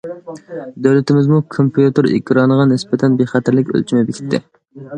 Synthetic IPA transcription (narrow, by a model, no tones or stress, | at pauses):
d̪øwlɪt̪ʰɪmɪzmukʰompijut̪ɨɾḭkʲʰɾɑnəʁɑnɪspɛt̪ʰɛnbeχæt̪ʰɪɾlɪkʲø̰lt͡ʃʰimɛbɪkʲʰi̥t̪ʰːɪ̰